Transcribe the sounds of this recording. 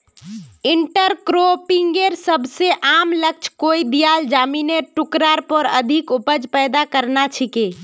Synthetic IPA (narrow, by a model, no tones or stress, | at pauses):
iɳʈəɾkɾopiŋɡeɾsəbʱseʔamlək̚t͡ʃʰkoid̪ijald͡ʒamineʈukɾaɾpɔɾə̰d̪ʱikupəd͡ʒpɛjd̪akəɾnat͡ʃʰike